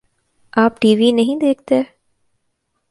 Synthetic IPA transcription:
ʔaːpʈiːʋiːneɦĩd̪eːk̚t̪æː

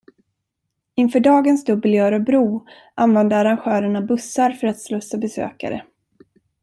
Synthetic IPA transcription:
ɪnfœːɖɑːɡənsd̪ɵbəljœːɾɔbɾuː | ʔanvɛnd̪əaɾanɧœːɾəɳabɵsaɾfœɾat̪slɵsːabɛsø̰ːka̰ɾə̰

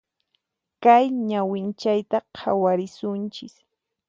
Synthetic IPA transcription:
kajɲawɪnt͡ʃajt̪aqʰa̰waɾɪsʊnt͡ʃɪs

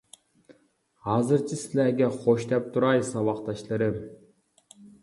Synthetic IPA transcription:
ɑzɯɾt͡ʃʰɯsilʲæɾɡʲeqʰoʃt̪ep̚t̪ʰuɾɑjsɑβɑqt̪ɑʃlˠɑɾɯ

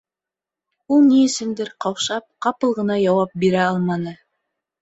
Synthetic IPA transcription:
ulˠnijesɪnd̪ɪɾqʰɑwʃɑp̚qɑpɤlˠʁɤ̆nɑjɑwɑp̚beɾæɑlˠmɑnɤ

